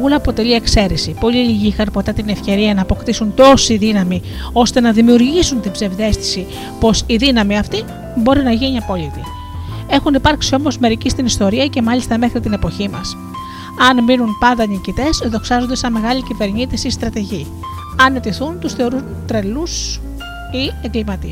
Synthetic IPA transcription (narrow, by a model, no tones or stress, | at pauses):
ulɐːpo̞t̪e̞lie̞kse̞ɾesipo̞liliʝixɐɾpot̪et̪ine̞fçe̞ɾiɐnɐːpo̞kt̪isunt̪o̞siðinɐmi | o̞st̪e̞nɐðimiuɾʝisunt̪ibze̞vðe̞st̪i̥si | po̞siðinɐmiɐft̪i | bo̞ɾinɐʝiniɐpo̞lit̪i | e̞xunipɐɾksio̞mo̞zme̞ɾicist̪inist̪o̞ɾiɐce̞mɐlist̪ɐme̞xɾit̪ine̞po̞çimɐs | ɐnminunpɐnd̪ɐnicit̪e̞sðo̞ksɐzo̞nd̪esɐme̞ɣɐlicive̞ɾɲit̪isist̪ɾɐt̪iʝi | ɐnet̪iθunt̪usθe̞o̞ɾunt̪ɾe̞lus | ieŋɡlimɐt̪i